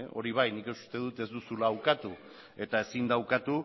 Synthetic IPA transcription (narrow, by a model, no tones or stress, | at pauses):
ʔo̞̰ɾiβ̞ajnikeu̥st̪e̞ðut̪e̞zd̪usulaːwkat̪u | e̞t̪ae̞sind̪awkat̪u